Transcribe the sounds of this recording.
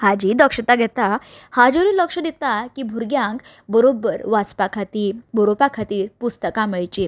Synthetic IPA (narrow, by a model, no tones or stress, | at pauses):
had͡ʑiːd̪əkʂət̪aɡʱɛt̪ahad͡ʑoɾiːləkʂəd̪et̪akibʱuɾɡjãŋk | bəɾobəɾʋat͡spakʰat̪iːbəɾopakʰat̪iːɾpust̪əkaməɭt͡ɕi